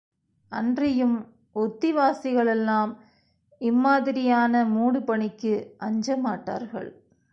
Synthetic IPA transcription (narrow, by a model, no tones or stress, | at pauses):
ʔɐndrɪjɯm | ɔt̪ːɪʋaːsɪɣɐɭɛlːaːm | ɪmːaːðɪɾɪjaːnɐmuːɽɯpɐɳɪkːɯʔɐɲd͡ʒɐmaːʈːa̰ːɾɣɐ̰ɭ